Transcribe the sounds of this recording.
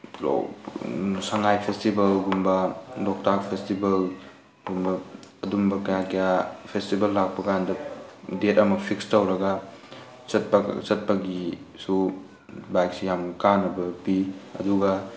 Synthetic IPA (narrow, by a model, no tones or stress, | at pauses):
lo̰ | sɐŋajpʰestibɐlɡumbɐlɔk̚tak̚pʰestibɐl | ɡumbɐɐdumbɐkɐjakɐjapʰestibɐlːak̚pɐkajandɐdetɐmɐpʰikstɐwɾɐɡɐ | sɐt̚pɐ̰sɐt̚pɐɡisu | bajk̚sijamkanɐbɐpiɐ̰duɡɐ